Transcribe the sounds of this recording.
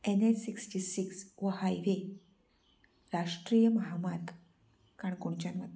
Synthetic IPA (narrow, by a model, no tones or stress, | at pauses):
enesiksʈisiksʋəhajʋe | ɾaʂʈɾijəməɦamat̪ | kaɳkuɳt͡ɕanʋat̪